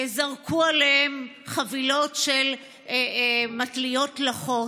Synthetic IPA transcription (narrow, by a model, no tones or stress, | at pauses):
zaʁkʰualehem | χavilo̞tʃel | matlijo̞tlaχo̞